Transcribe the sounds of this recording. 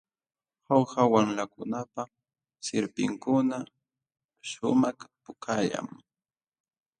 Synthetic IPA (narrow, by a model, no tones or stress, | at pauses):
hawhawamlakʊnapa | sɪɾpɪ̰ŋkʊna | ʃʊmakpʊkʰaʎa̰ŋ